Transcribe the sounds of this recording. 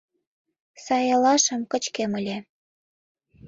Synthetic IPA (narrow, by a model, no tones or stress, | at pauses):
sɑjɑlɑʃə̆mkə̆t͡ɕkeməlʲĕ